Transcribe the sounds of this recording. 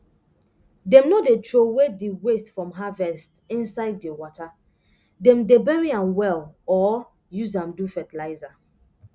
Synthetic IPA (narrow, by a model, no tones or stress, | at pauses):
dɛ̃mnodetɹowediwestfɹɔ̃mɦavɛstĩnsaɪd̚ːewɔta | dɛ̃mdebɛɹiãnwɛlɔ | juzãmdufɛtɛlaɪza